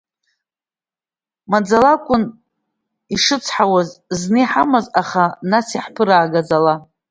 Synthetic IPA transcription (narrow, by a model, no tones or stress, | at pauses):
mad͡zalakʷʼʊn | iʂɨt͡sʰħawazznɨiħamazaχanasiħpʰɨɾaːɡad͡zala